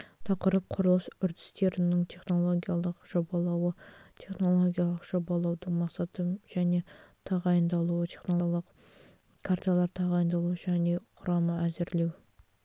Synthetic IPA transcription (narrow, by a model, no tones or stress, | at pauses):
t̪ʰɑqəɾəp̚qʰʊɾəlˠəsʏɾd̪ɪ̥st̪e̞ɾɪnɪŋt̪ʰe̞χno̞lˠoɡʲijalˠəqʒ̥obɑlˠɑwət̪ʰe̞χno̞lˠo̞ɡʲijalˠəqʒ̥o̞bɑlˠɑwd̪əɴmɑqsɑt̪əʒ̥æne̞t̪ʰɑʁɑjənd̪ɑlˠuwət̪ʲʰe̞χnolˠəq | kʰaɾt̪alˠɑɾt̪ʰɑʁɑjənd̪ɑlˠuəʒæne̞qʰʊɾɑməæzɪɾle̞w